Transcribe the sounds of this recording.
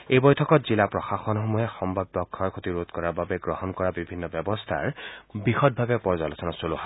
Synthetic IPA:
ejbɔjtʰɔkɔtzilapɹɔxaxɔnxomuɦɛxɔmbʱab̚dɔkʰːɔɹkʰot̪iɹot̪kɔɹaɹbabɛɡɹɔhɔnkɔɹabibʱinːɔbjɔbɔstʰa̰ɹbixɔt̚bʱabɛpɔɹzalosɔnɔsoloɦa

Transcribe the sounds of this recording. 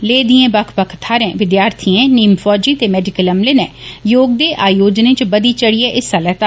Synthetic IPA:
leːd̪iẽːbəkʰpəkʰt̪ʰaːɾẽːʋɪd̪jaːɾt̪ʰiẽːniːmfʰɔːd͡ʒiːt̪eːmɛːɖɪkələmleːnɛ̃ːjoːɡ̚d̪eːʔaːjoːd͡ʒnẽːt͡ʃbəd̪iːt͡ʃəɽiɛːʔɪsalɛːt̪aː

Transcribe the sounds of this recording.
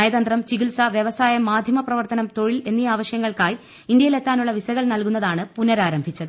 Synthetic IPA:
ɐjɐðɐnd̪rɐmt͡ɕiɣilsɐʋjeʋɐsaːjɐmːaːd̪ʱjɐmɐprɐʋɐrt̪ɐnɐmt̪o̞ɻile̞nːiaːʋɐɕjɐŋːɐɭkaːj | ind̪jɐjile̞t̪ːaːnuɭːɐʋisɐɣɐɭnɐlkunːɐðaːɳɨpunɐɾaːɾɐmbʱit͡ɕːɐðɨ

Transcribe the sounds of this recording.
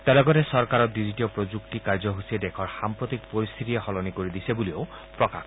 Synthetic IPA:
t̪alɔɡɔt̪esɔɾkaɾɔdid͡ʒiʈiɔpɾod͡ʒuk̚ʈikaɹd͡ʒɔɦused̪ekʰɔɾxampɾɔt̪ik̚poɾist̪ʰit̪ieɦɔlɔnikoɾid̪isebulio | pɾɔka̰kʰ

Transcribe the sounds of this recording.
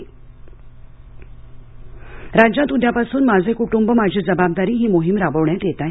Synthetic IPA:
ɾad͡ʑãt̪ud̪ʱjapasuːnmad͡zʱekuʈumbəmad͡ʑʱiːd͡zəbab̚d̪aɾiːɦiːmoɦimɾaʋəʋɳjat̪jet̪a

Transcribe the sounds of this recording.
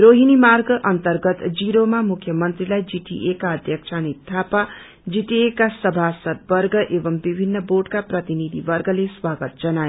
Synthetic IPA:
roɦinimarɡʌʔʌnt̪ʌrɡʌt̪d͡ziɾomamukʰjʌmʌnt̪rilajd͡ziʈḭʔekaʌd̪ʱjʌk̚t͡ʃʰanit̪ʰːapa | d͡ziʈiekasʌbʱasʌd̪̚bʌrɡʌʔebʌmbibʱinːʌboɖkaprʌt̪inid̪ʱḭbʌrɡʌleswaɡʌt̪̚d͡zʌna

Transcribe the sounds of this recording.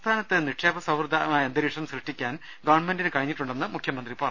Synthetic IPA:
t̪ʰaːnɐt̪ːɨniʈʂeːbɐsɐwrd̪ʱaaend̪ɐɾiːʂɐmsrɨʂʈːikʲːaːn | ɡɐʋɐɳmendinɨkɐɻiɲːiʈːuɳɖe̞nːɨmukʰjɐmɐnd̪ripɐrɐ

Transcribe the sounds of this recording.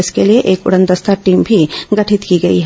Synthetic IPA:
ɪskelieʔeːkʊ̰ɽə̃nd̪əst̪aʈiːmbʱiɡɐʈʰɪt̪kiɡɐiɦɛ

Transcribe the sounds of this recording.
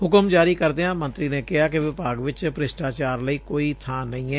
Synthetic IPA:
ɦʊkəmd͡ʒaːɾiːkəɾd̪eːɦãːmə̃nt̪ɾiːneːkɪɦaːkɪʋɪpaːɡʋɪt͡ʃpɾɪsʈaːt͡ʃaːɾləiːkoːiːt̪ʰaːnəĩːɛː

